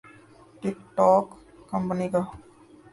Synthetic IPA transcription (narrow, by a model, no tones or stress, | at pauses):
ʈikʈɔːkː | ɐmpənika